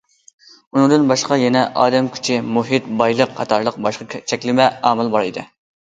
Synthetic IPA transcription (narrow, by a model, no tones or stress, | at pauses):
unɨŋd̪ɨnbɑʃqɑjɛnɛʔɑ̰ːd̪ɛmkʲʰy̥t͡ʃʰɪmuɦɪt̪̚bɑjlˠəqʰːɑt̪ʰɑɾlˠəq̚bɑʃqɑt͡ʃʰɛkʲlɪmɛɑːmɪlˠbɑɾɨd̪ɨ